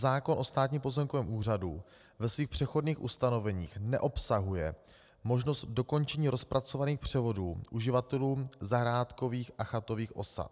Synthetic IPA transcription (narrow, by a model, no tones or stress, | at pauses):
zaːko̞nʔo̞st̪aːt̪ɲimpo̞zɛmkovɛːmʔuːr̝adu | vɛsviːxpr̝̥ɛxo̞dniːxʔust̪ano̞vɛɲiːxnɛʔo̞psaɦujɛ̰ | mo̞ʒno̞st̪̚do̞ko̞nt͡ʃɛɲiːɾo̞spɾat͡so̞vaniːxpr̝̥ɛvo̞duːʔuʒɪvat̪ɛluːmzaɦɾaːt̪ko̞viːxʔaxat̪o̞viːxʔo̞̰sa̰t̪